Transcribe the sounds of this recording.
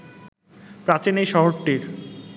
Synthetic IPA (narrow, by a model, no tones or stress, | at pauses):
pɾãt͡ɕenejʃɔɦoɾʈːiɾ